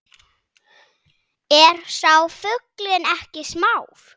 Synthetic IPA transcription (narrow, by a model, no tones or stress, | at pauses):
ɛɾ̥sawfʏklɪɛnɛhcɪsmaːwɾ